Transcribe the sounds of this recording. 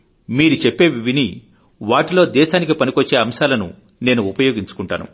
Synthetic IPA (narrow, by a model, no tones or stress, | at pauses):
miːɾut͡ʃepːe̞ːʋiʋini | ʋaːʈilo̞ːd̪ɛːʃaːnik̬ipɐnikot͡ʃːe̞ːɐmʃaːlɐnṵ | ne̞ːnuːpɐjo̞ːɡiɲt͡ʃu̥kuɳʈa̰ːnṵ